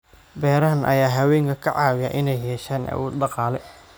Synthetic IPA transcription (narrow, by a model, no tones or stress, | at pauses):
bɛːɾɐɦɐnʔɐ̰jaːɦɐwɛːŋkʰɐkʰɐʕɑːwɪjɐʔɪnɛjhɛːʃaːnʔɐ̰wuːd̪dɑqɑːlɛ